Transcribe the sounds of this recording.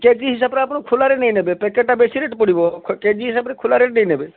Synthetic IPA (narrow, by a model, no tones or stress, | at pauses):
keːd͡ʒiɦɪs̬aːbɾepnokʰʊlaːɾenɛĩnebepɛkeʈabesiɾeːʈpʊɽibokʰkeːd͡ʒiɦɪsaːbɾekʰʊlaɾeʈnɐ̃ĩnebe